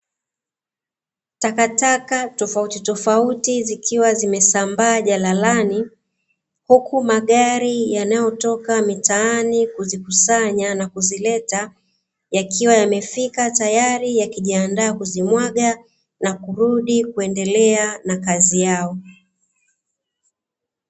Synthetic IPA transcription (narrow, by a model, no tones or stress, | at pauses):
takatakatɔfautitɔfautizikʰiwazimɛsambaːʄalalani | hukumaɠaɾijanajɔtɔkamitaanikuzikusaɲanakuzilɛta | jakʰiwajamɛfikatajaɾijakiʄiandaːkuzimwaɠa | nakuɾuɗikuɛndɛlɛanakazijaɔ